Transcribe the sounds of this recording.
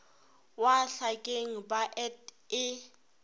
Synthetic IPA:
waɬakʼeŋ̩baʔɛt | ɪ

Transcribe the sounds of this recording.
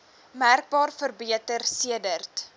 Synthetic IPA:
mærk̚bɑːrfərbiətərsiədərt

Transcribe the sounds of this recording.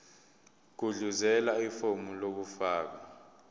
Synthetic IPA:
k̬uɮuzɛlaifomulok̬ufaːk̬a

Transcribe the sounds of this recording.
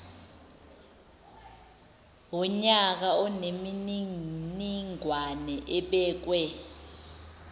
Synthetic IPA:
wɔɲak̬aɔnemininiŋwanɛʔɛɓɛːk̬wɛ

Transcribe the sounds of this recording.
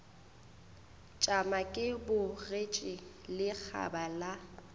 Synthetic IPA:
t͡ʃʼamakʼɪbʊret͡ʃʼɪlɪk͡xʰa̰bala

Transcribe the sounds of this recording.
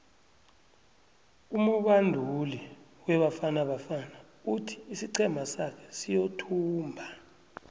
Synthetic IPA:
umuɓandʱuli | wɛɓafanaɓafana | utʰi̥ːsiǀʰɛmʱasakʰɛ̥sijotʰuːmbʱa

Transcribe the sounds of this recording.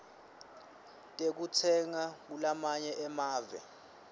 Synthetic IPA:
tʼek̬utʰɛŋak̬ulamaɲɛʔɛmaːvɛ̰

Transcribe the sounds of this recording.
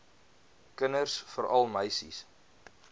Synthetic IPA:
kənərsfəɾɐlˠməjsḭs

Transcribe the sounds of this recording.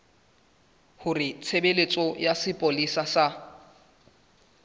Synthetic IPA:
hʊrɪt͡sʰebelet͡sʼɔjasɪpʼolisasa

